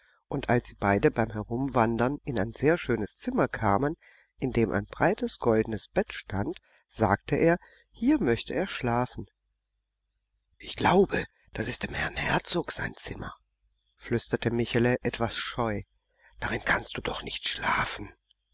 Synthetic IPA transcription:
ʔʊntʔalsz̥iːbaɪdəbaɪmhɛʁʊmvandɐnɪnaɪnzeːɐʃøːnəst͡sɪmɐkʰaːmən | ʔɪndeːmʔa̰ɪnbʁaɪtəsɡ̥ɔldn̩əsb̥ɛtʃtant | z̥aːk̚tʰəʔeːɐ | hiːɐmœçtəeːɐʃlaːfn̩ | ʔɪçɡ̥laʊbə | d̥asɪst̚d̥eːmhɛɐnhɛɐt͡soːkz̥a̰ɪnt͡sɪmɐ̰ | flʏstɐtəmɪçaləʔɛtv̥asʃɔʏ | d̥aʁɪnkʰanst̚d̥uːdɔχnɪçtʃla̰ːfn̩

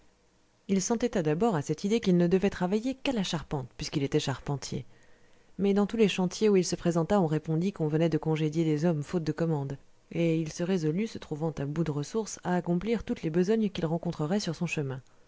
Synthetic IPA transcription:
ilsɑ̃t̪ɛt̪ad̪abɔʁasɛt̪id̪ekilnəd̪əvɛt̪χavajekalaʃaʁpɑ̃t̪̚pɥiskilet̪ɛʃaʁpɑ̃t̪jḛ | mɛd̪ɑ̃t̪uleʃɑ̃t̪jeuilsəpχezɑ̃t̪aɔ̃ʁepɔ̃d̪ikɔ̃vənɛd̪əkɔ̃ʒed̪jelezɔmfot̪̚d̪əkɔmɑ̃d̪ | eilsəʁezɔlysət̪χuvɑ̃t̪ãbud̪əʁəsuʁsaːkɔ̃pliʁt̪ut̪lebəzɔɲkʲilʁɑ̃kɔ̃t̪χəʁɛsyʁsɔ̃ʃəmɛ̃

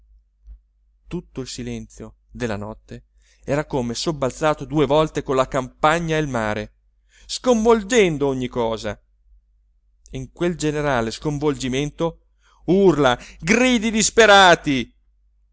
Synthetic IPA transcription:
t̪ut̪ːoilsilɛnt̪sjo | d̪elːa̰nɔ̰t̪ːe | ɛːɾakomesobːalt̪saːt̪od̪uːevɔlt̪ekonlakampaɲːaelmaːɾe | skoɱvold͡ʒɛnd̪ooɲːikɔːza̰ | iŋkweld͡ʒeneɾaːleskoɱvold͡ʒiment̪o | urlaɡriːd̪id̪ispeɾaːt̪i

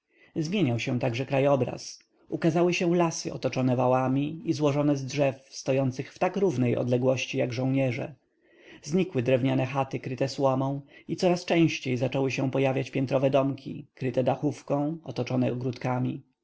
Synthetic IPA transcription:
zmʲjeɲawɕɛ̃w̃t̪aɡʐɛkɾajɔbɾa̰s | ʔukazawɘɕɛ̃lasɘ̰ʔɔ̰t̪ɔt͡ʂɔnɛvawamʲiizwɔʐɔnɛzdʐɛfst̪ɔjɔnt̪sɘxft̪akɾuvnɛjɔ̰d̪lɛɡwɔɕt͡ɕijaɡʐɔ̃w̃ɲɛʐɛ̰ | zɲikwɘd̪ɾɛvɲanɛxat̪ɘkɾɘt̪ɛswɔmɔ̃w̃it̪sɔɾast͡ʂɛ̃w̃ɕt͡ɕejzat͡ʂɔwɘɕɛ̃pɔjavʲjat͡ɕpʲjɛnt̪ɾɔvɛd̪ɔmkʲʰḭkɾɘt̪ɛd̪axufkɔ̃w̃ɔt̪ɔt͡ʂɔnɛɔɡɾut̪kamʲi

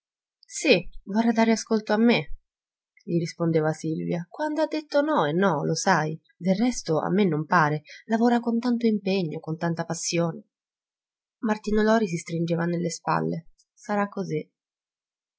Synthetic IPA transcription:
sivorːad̪aːɾeaskolt̪oamːe | ʎiɾispond̪eːvasilvjakwand̪oad̪ːet̪ːonɔenːɔlosaj | d̪errːɛst̪oa̰mːenːompaːɾelavoːɾakont̪ant̪oimpeɲːokont̪ant̪apasːjoːne | mart̪iːnolɔːɾis̬ist̪ɾind͡ʒeːvanelːespa̰lːe | saɾakːozi

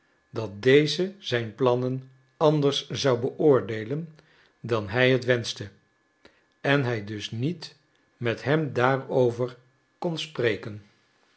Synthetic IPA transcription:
dɑt̚dejzəzɛjnplɑnən | ɑndəɹszɑwbəʔʊːɹdejlən | dɑnɦɛjɦətʋɛnstə | ɛnɦɛjdɵsnit | mɛtɦɛmdaːrowvəɹ | konsprejkən

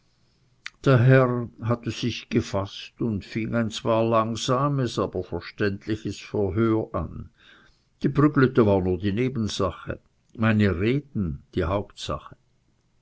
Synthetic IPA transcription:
d̥eːɐɦɛʁɦatəz̥ɪçɡ̥əfastʊntfiŋaɪnt͡sv̥aːɐlaŋz̥aːməsaːb̥ɐfɛɐʃtɛntʰlɪçəsfɛɐɦøːɐʔa̰n | d̥iːbʁʏɡløtəvaːʁnuːɐdiːneːbn̩z̥aχə̰ | maɪnəʁeːtn̩d̥iːhaʊptsa̰χə

